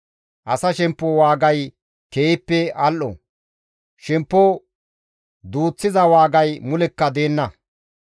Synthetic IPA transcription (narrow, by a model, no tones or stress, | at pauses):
ʔɐsɐʃɛmpːowaːɡɐj | keːɪpːɛʔɐlʔɔ̰ | ʃɛmpːɔ | d̪uːt͡sːɪzɐwaːɡɐjmʊlɛkːɐd̪e̞ːnːɐ